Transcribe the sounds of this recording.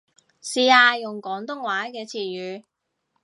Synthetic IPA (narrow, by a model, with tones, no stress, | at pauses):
siː˨˧aː˧jʊ˨ŋkɔː˨˥ŋt̪ʊ˥ŋwaː˨˥kɛː˧t͡sʰiː˨˩jyː˨˧